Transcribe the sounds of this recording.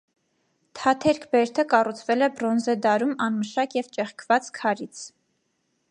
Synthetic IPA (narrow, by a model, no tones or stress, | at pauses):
t̪ʰɑt̪ʰɛɾkʰbɛɾt̪ʰəkɑrut͡sʰvɛlɛbrɔnzɛd̪ɑɾumɑnməʃɑkjɛvt͡ʃɛχkʰvɑt͡skʰɑɾit͡sʰ